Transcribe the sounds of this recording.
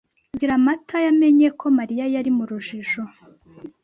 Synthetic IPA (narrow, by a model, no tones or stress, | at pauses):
ɟiɾamatʰajame̞ɲekʰo̞maɾijajaɾimuɾuʒiʃo